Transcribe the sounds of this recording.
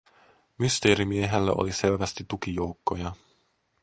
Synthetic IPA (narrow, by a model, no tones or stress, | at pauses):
myst̪e̞ːɾimieɦelːæ̰ʔo̰liselʋæst̪it̪ːuk̟ijowkːo̞jɑ